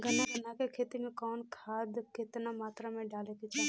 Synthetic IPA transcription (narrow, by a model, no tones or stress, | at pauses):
ɡʱənaɡʱənakekʰeːt̪imekɔːnkʰaːd̪kɪt̪namaːt̪ɾamẽɖaːlekit͡ʃaː